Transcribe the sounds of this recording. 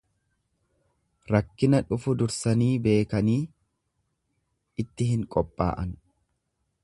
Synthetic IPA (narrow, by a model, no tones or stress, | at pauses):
ɾɐkːɪnɐᶑʊfʊd̪ʊɾsɐniːbe̞ːkɐniː | ɪt̪ːɪɦɪŋkʼɔpʼːa̰ːʔɐn